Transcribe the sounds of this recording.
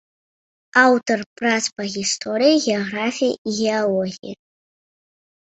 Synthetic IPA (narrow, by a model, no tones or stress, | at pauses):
awtʰorpʼraspaɣʲistʰoɾijɣeoɣrafʲijɣʲeolˠoɣʲḭja